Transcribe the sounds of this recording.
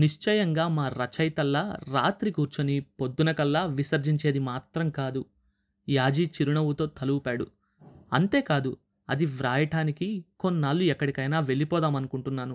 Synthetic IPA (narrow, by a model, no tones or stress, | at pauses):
niʂt͡ʃɐjɐŋɡaːmaːɾɐt͡ʃɐjt̪ɐlːɐɾa̰ːt̪ɾikuːɾt͡ʃɐnipo̞d̪ːunɐkɐlːaːʋisɐɾd͡ʒiɲt͡ʃe̞ːd̪imaːt̪ɾɐmkaːd̪u | jaːd͡ʒiːt͡ʃiɾuɳɐwut̪o̞ːt̪ʰɐluwupaːɽṵ | ɐnt̪e̞ːkaːd̪u | ɐd̪iʋɾaːjɐʈaːnikiko̞nːaːlːuɛkːɐɽikɐjnaːʋe̞ɭːipɔːd̪aːmɐnukuɳʈunːaːnu